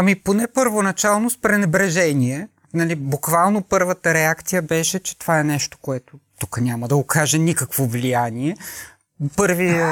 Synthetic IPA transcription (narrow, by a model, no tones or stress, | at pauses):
amiponɛpəɾvonɐt͡ʃalˠnospɾɛnɛbɾɛʒɛniɛ | nɐlibukvalˠnopɤɾvət̪əɾɛakt̪sijəbɛʃɛt͡ʃɛ̥t̪ovaɛnɛʃt̪o̥koɛt̪ot̪ukənʲaməd̪ɐokaʒɛnikəkvovlijaniɛ | pɤɾvi